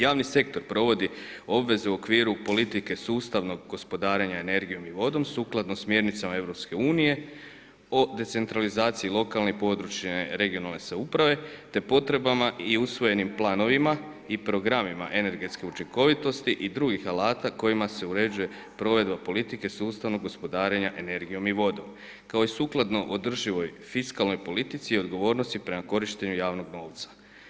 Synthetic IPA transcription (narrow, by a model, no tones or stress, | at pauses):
jaːʋnise̞k̚t̪o̞ɾpɾo̞ʋo̞d̪i | o̞bʋe̞ze̞uokʋiːɾupo̞lit̪ike̞suːst̪aʋno̞ɡɡo̞spo̞d̪aːɾe̞ɲaene̞ɾɡijo̞miʋo̞d̪o̞msuːklˠad̪nosmje̞ɾnit̪samae̞ʋɾo̞pske̞uːnije̞ | o̞d̪e̞t̪se̞nt̪ɾalizaːt̪siilˠo̞kalˠnipo̞d̪ɾut͡ʃeɾe̞ɡio̞nalˠne̞saupɾaʋe̞t̪e̞po̞t̪ɾe̞bamaʔiusʋo̞je̞nimplˠaːno̞ʋima | ipɾo̞ɡɾamima̰ʔe̞ne̞ɾɡet̪ske̞ut͡ʃiŋko̞ʋit̪o̞st̪iʔid̪ɾuɡixalaːt̪ako̞jimase̞uɾe̞d͡ʑuje̞ | pɾo̞ʋe̞d̪bapo̞lit̪ike̞suːst̪aʋno̞ɡo̞spo̞d̪aːɾe̞ɲaʔe̞ne̞ɾɡijo̞miʋo̞d̪o̞̰m | kao̞isuːklˠad̪no̞ʔod̪r̩ʒiʋo̞jfiskalˠno̞jpo̞lit̪it̪siːo̞d̪ɡo̞ʋo̞ːɾno̞st̪ipɾe̞mako̞ɾiʃt̪e̞ɲujaːʋno̞ɡno̞ːʋt̪sḁ